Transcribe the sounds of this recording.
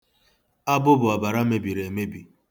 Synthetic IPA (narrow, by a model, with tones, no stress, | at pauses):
a˦bʊ˦bʊ˨a˨ba˨ɾa˦me˦bi˨ɾe˨me˦bi˨